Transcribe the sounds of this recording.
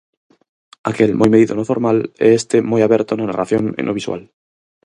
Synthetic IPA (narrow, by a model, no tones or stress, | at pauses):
akelmʔojmeðiðonofoɾmaleest̪emojaβeɾt̪onanaraθjonḛ̃nʔoβiswa̰l